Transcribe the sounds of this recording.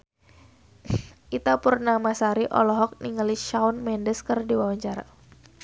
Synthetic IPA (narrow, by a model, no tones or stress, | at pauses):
ʔit̪apurnamasaɾiʔɔ̰lɔɦɔk̚niŋaliʃaunmɛndəskɨrdiwawaɲt͡ʃaɾa̰